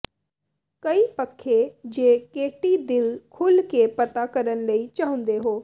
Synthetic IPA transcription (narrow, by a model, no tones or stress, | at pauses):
kəiːpəkʰːed͡ʒeːkeːʈid̪ɪlkʰʊlkepət̪akəɾənləiːt͡ʃaːɦʊ̃nd̪eɦoː